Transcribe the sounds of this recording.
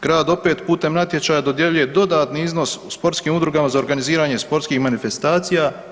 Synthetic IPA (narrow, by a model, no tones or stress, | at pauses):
ɡ̥ɾaːd̪o̞pe̞ːt̪puːt̪e̞mnat̪je̞t͡ʃaːjad̪o̞d̪je̞ʎuje̞d̪o̞d̪aːt̪niizno̞suspo̞ɾt̪skiːmud̪ɾuɡamazao̞ɾɡaniziːɾaːɲe̞spo̞ɾt̪skixmanife̞st̪aːt̪sijaː